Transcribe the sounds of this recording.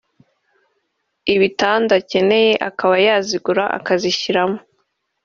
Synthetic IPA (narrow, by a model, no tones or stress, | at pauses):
iβitaːndace̞ne̞je̞ʔakaβajaːziɡuɾaʔa̰kaziçiɾamo̥